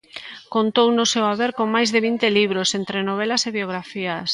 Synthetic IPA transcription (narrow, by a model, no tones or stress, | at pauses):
kont̪ownʊsewaβeɾkoŋmajzðeβint̪eliβɾosent̪ɾenoβ̞ɛlɐseβjoɣɾafiɐs